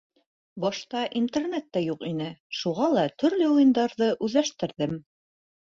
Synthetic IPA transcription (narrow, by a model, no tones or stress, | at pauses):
bɒʃt̪ɑʔint̪ernet̪ːæjuqinɘʃuʁɑlˠɑt̪ɵ̆ɾlɘujɤ̆nd̪ɑɾðɤʔʉðlæʃt̪ɘ̆ɾðɘm